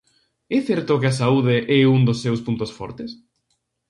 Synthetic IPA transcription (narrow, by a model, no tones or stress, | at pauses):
ɛθɛɾt̪okɪasauðeʔɛuŋd̪osːewspunt̪osfɔ̰ɾt̪es